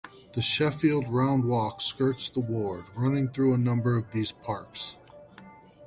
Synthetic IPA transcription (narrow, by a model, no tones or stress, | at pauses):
ðɨʃɛfilˠd̚ɹãʊ̃nd̚wɔkskɜ˞tsðəwɔɹd̚ɹʌnɪ̃ŋθɹuənʌ̃mbə˞ʌvðiz̥pʰɑɹks